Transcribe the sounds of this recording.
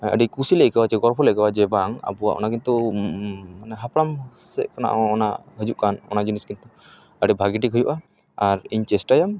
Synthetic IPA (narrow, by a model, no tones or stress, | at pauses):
ə̰ɖikusilɛʔkabat͡ʃɛɡɔɾpʰɔlɛkabad͡ʒɛbaŋa̰buwa̰ʔɔ̰nakint̪u | manɛɦapʰɾam | sɛ̰ʔkɔna̰ʔɔna̰ɦəd͡ʒuʔkanɔ̰nad͡ʒiniskint̪u | əɖibʱaɡiʈikʰɔjuʔa | aɾiɲt͡ʃɛsʈajam